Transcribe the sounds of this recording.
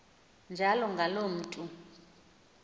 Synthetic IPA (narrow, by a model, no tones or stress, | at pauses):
nd͡ʒʱalɔŋɡʱalom̩ːtʼu